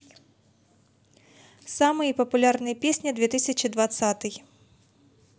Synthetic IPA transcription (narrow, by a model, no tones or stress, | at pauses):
samɨjipɐpʊlʲarnɨjɐpʲesʲnʲɐd̪vʲɛt̪ɨsʲɐt͡ʃid̪vat̪sat̪ɨj